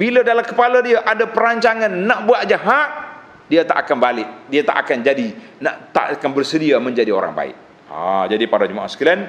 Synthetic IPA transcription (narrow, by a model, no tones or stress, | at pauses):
bilədalakəpalədiaʔadapəɾaɲt͡ʃaŋanːaʔbuaʔ̚d͡ʒaɦaʔ | diat̪a̰ʔakanbalɪʔ̚diat̪a̰ʔa̰kand͡ʒadi | naʔt̪a̰ʔakanbərsədiamə̃ɲd͡ʒadio̰ɾa̰ŋba̰ɪ̰ʔ̚ | a̰d͡ʒadipadad͡ʒumaʔa̰hsə̥kilan